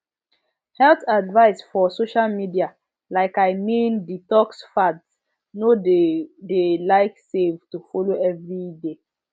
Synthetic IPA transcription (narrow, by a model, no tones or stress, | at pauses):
hɛltadvaɪsfɔsoʃalmidia | laɪkaɪmĩnditɔksfads | no | delaɪksevtufɔloɛvɹide